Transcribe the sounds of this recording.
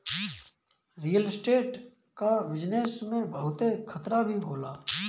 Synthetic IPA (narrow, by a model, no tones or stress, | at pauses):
ɾijəlsʈeːʈ | kaʋɪd͡ʒnesmẽbʱɐɦʊt̪ekʰɐt̪ɾabʱiɦoːlaː